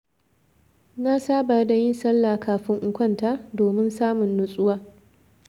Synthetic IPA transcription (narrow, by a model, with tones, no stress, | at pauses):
na˦saː˦ba˨rda˨jɪ˦nsɐ˦lːaː˨kʰaː˨ɸɪ˦ŋʔʊ˦kʷɐ˦˨ntaː˦doː˨mɪ˦nsaː˦mʊ˨nːʊ˦sʼʊ˦waː˦